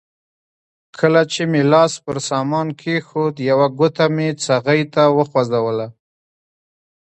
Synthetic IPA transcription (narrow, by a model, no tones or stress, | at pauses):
kʰəlat͡ʃemelɑspəɾsɑmɑnkʰexod̪jawaɡʊt̪amet͡saɣəjt̪awəxwazawəla